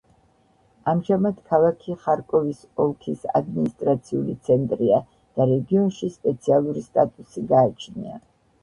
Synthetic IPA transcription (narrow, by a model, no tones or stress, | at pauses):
amʒamad̪̥kʰalˠakʰiχaɾkʼɔvis | ɔlˠkʰisa̰d̪minist̪ʼɾat̪sʰiṵlit̪sʰɛnt̪ʼɾia | d̪̥aɾɛɡiɔnʃispʼɛt̪sʰialˠuɾist̪ʼat̪ʼusiɡaːt͡ʃʰnḭa̰